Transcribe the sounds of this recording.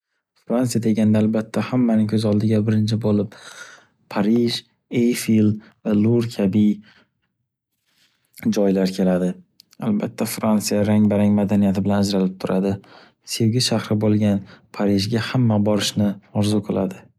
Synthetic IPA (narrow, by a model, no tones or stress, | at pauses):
fɾantsijad̪e̞ɡʲanɪd̪aːlbat̪ʰːahamːanɪŋkʲʰɵzɒlˠd̪ɪɡʲabɪɾɪnt͡ʃʰɪbolɪp | pʰaɾɪʒ | ejfil | valˠuɾkʲʰabɪ | d͡ʒɒjlaɾkʲʰe̞lad̪ɪ | albat̪ʰːafɾant̪sijaɾaŋbaɾaŋmad̪anijat̪ʰɪbɪlanad͡ʒɾalɪp̚t̪ʰʊɾʔad̪ɪ | se̞wɡʲɪʃahɾɪbolˠɡʲanpʰaɾɪʒɡʲahamːabɒɾɪʃnɪɒɾzʊqʰɨlˠa̰d̪ɪ